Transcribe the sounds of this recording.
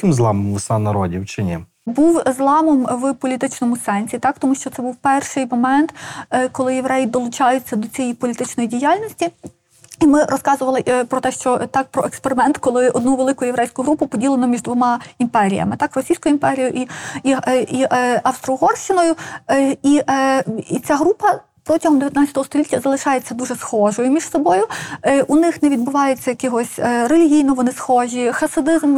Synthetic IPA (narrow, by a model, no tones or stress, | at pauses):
kɪmzlˠɑmɔmwsanɐɾɔ̰dʲḭwt͡ʃɪnʲɛ | buwzlˠɑmɔmwpɔlʲit̪ɪt͡ʃnɔmʊsɛnʲsʲit̪ɑkt̪ɔmuʃt͡ʃɔt̪sɛbuwpɛrʃɪjmɔmɛnt̪kɔlˠɪjeʋɾɛjid̪ɔlˠʊt͡ʃɑjʊt͡sʲːɐd̪ɔt͡sʲijijpɔlʲit̪ɪt͡ʃnɔjidʲijalʲnʲɔsʲtʲi | imɪɾɔskɑzʊʋɐlˠɪpɾɔt̪ɛʃt͡ʃɔt̪ɑk̚pɾɔekspeɾɪmɛnt̪kɔlˠɪɔd̪nuʋelˠɪkʊjʊjeʋɾɛjsʲkʊɦɾupʊpɔdʲilˠenɔmʲiʒd̪ʋɔmɑimpɛɾʲijɐ̰mɪt̪ɑkrɔsʲijsʲkʊjʊimpɛɾʲijʊʔiiiɐwst̪ɾɔɦɔrʃt͡ʃɪnɔjʊ | i | t͡sʲaɦɾupɐ | pɾɔtʲɐɦɔmd̪eʋjɐt̪nat͡sʲɐ̥t̪ɔɦːst̪ɔlʲitʲːɐzɐlˠɪʃɑjet͡sʲːɐd̪uʒɛsxɔʒɔjʊmʲiʃsɔbɔjʊʔunɪxnɛʋʲid̪bʊʋɑjʊt͡sʲːɐjɐkɪɦɔsʲrelʲiɦʲijnɔʋɔnɪsxɔʒʲixɐsɐd̪ɪzm